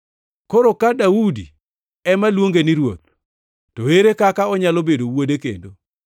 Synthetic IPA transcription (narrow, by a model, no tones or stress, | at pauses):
koɾokadaudḭ | ɛmalwoŋɡeniɾwo̰t̪̚ | toweɾekakaɔɲalobedowodekḛndo